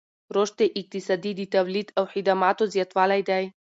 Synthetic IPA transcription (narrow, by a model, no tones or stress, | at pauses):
ɾoʃt̪ɛʔik̚t̪isad̪id̪it̪avlit̪ʰawħid̪amat̪ozjat̪valajd̪aj